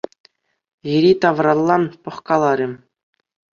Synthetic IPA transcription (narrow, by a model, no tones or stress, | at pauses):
jiɾʲit̪ɑʋrɑlˠːɑnpɤ̆χkɑlˠɑɾʲɘ̆